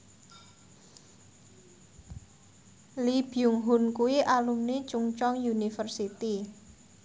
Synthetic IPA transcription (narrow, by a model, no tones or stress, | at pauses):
lib̥iʊŋɦʊnkuwiʔalumnit͡ʃuŋt͡ʃɔŋjunifərsit̪i